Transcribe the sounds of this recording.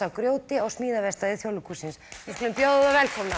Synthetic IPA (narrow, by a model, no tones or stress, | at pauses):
awkɾjoːwt̪ɪɔɣsmiːðavɛst̪aðɪθjowlːʏkusɪnsɪsklʏmpjoððavɛlkʰɔmna